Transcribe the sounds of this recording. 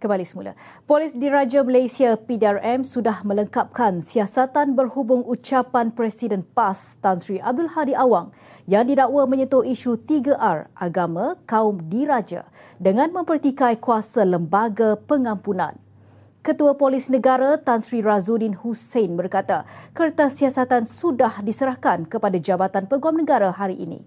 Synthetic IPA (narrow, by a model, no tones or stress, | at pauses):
kəmbalisəmula̰ | polisdiɾad͡ʒaməlasiapidiarɛmsudahmə̃ləŋkap̚kansiasat̪anbərhubʊŋut͡ʃapanpɾɛsidənpast̪ansɾiʔab̚dʊlhadiʔawaŋ | jaŋdidaʔwamə̃ɲət̪ʊhiʃut̪iɡaʔarʔaɡamãkaʊmdiɾad͡ʒa̰ | dəŋãnmə̃mpərt̪ikajkuasaləmbaɡapəŋãmpunã̰n | kət̪uapolisnə̃ɡaɾat̪ansɾirazudinhusenbərkat̪akərt̪asiasat̪ansudahdisəɾahkankəpadad͡ʒabat̪anpəɡamnəɡaɾaɦaɾiʔḭnḭ̃